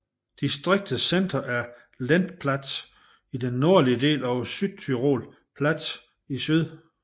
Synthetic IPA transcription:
d̥isd̥ʁeɡ̥̚d̥əsen̰d̥ɐʔæɐ | læn̰d̥pʰlæd̥s | id̥enːo̝ɐ̰liəde̝̰ːlɒʊsyd̥̚t͡sʰyʁo̝ːl | pʰlæd̥s | isyð̰ˠ

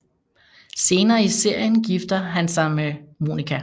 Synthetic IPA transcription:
se̝ːnɐːise̝ɐ̰jənɡ̥ifd̥ɐɦænsɑ̈ɪmemo̝̰nikʰæ

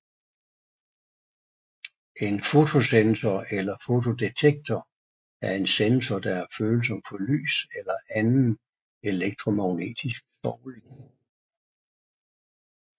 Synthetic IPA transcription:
e̝nfo̝t͡sʰo̝sensɐelɐfo̝t͡sʰo̝d̥e̝t͡sʰeɡ̥̚t͡sʰɒ | æɐe̝nsensɒd̥ɑ̈æɐføːl̩sɒ̽m̰fɒ̽ly̰ːselɐʔænn̩ | e̝leɡ̥̚d̥ʰʁo̝mɑ̈ʊne̝̰ːd̥isɡ̥sɒːleŋ

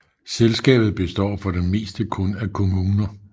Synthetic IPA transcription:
selsɡ̥ɛ̰ːb̥ð̞̩ˠb̥e̝sd̥ɒ̰ːfɒ̽d̥enme̝̰ːsd̥əkʰɔ̽nækʰo̝muːnɐ

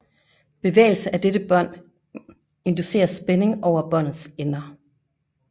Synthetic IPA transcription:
b̥e̝ʋḛːl̩səʔæd̥ed̥əb̥ɶn̰ | e̝nd̥use̝̰ːɐsb̥ene̝ŋɒʊ̰ɐb̥ɒn̰ð̩ˠsenɐ

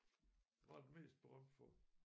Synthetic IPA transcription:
ʋɑ̈d̥eme̝̰ːsd̥̚b̥eʁɶm̰d̥fɒ

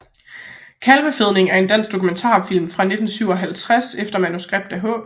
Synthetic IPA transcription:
kʰælʋəfeð̞ˠne̝ŋæɐe̝nd̥æn̰sɡ̥̚d̥o̝kʰument͡sʰɑ̰̈ːfil̰mfʁɑ̈ne̝d̥n̩syʊ̰ɒ̽ɦælt͡sʰʁasefd̥ɐmænusɡ̥ʁeb̥̚d̥æɦɔ̰̽ː

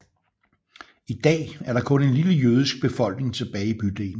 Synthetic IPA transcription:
id̥ɛ̰ːæɐɾɑ̈kʰɔ̽ne̝nliləjøːð̞ˠisɡ̥̚b̥e̝fɒ̽l̰ɡ̥ne̝ŋt͡sʰe̝b̥ɛːɪib̥yd̥ḛːn̩

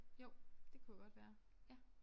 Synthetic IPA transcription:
joʊ̰d̥e̝kʰujaɡ̥ɒ̽d̥ʋæːɐ | jæ

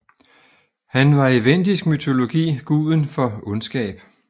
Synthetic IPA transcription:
hænʋɑ̈eʋen̰d̥isɡ̥myt͡sʰo̝lo̝ɡ̥ḭːɡ̥uːðˠən̩fɒ̽ɔnsɡ̥ɛ̰ːb̥

